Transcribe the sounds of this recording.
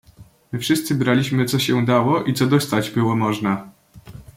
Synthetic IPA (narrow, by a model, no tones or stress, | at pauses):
mɘfʂɘst̪sɘbɾalʲiɕmɘt̪sɔɕɛd̪awɔʔit̪sɔd̪ɔst̪ad͡ʑbɘwɔmɔʐna